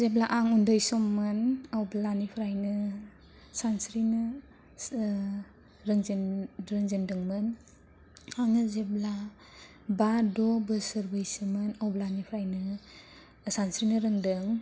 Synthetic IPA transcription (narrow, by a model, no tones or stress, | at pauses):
zeblaʔaŋundɔjsɔmːɯnawblanipʰɾajnɯ | sansɾinɯ | ɾɯŋzɾɯŋzindɯŋmɯn | aŋɯzebla | badɔbɯsəɾbʱajsɯmɯnawblanipʰɾajnɯ | sansɾinɯɾɯŋdɯŋ